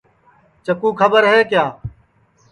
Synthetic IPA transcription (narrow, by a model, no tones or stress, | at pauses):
t͡ʃəkuːkʰəbəɾɦeːkjaː